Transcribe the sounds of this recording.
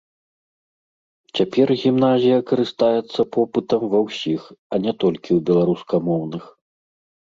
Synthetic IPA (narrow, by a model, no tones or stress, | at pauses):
t͡sʲapʲɛrɣʲimn̪azʲijɐkɐɾɨst̪ajɛt̪sːɐpɔpɨt̪ɐmvɐwsʲixɐnʲɛt̪ɔlʲkʲiwbʲɛlˠaɾuskɐmɔwnɨx